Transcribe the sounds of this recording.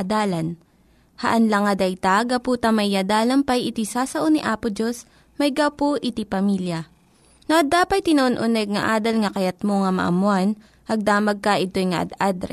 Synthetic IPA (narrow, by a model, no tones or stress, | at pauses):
d̪aːlɐn | hɐʔɐnlɐŋɐd̪ɐjt̪aɡɐpuːt̪ɐmɐjːad̪aːlɐnpɐjʔɪt̪isaːsɐʔonɪʔaːpʊd͡ʒos | mɐjɡawpoʔɪt̪ipɐmiːljɐ | nɐʔɐd̪aːpɐt̪̚t̪ːɪnɐʔonʔʊnɛɡ̚ŋɐ̰ʔaːd̪ɐlŋɐkɐjɐt̪̚moŋɐmɐ̰ʔɐ̰mʊan | ʔɐɡ̚d̪aːmɐɡ̚kɐʔɪt̪ojŋɐʔɐ̰d̪ad̪ɾɛ̰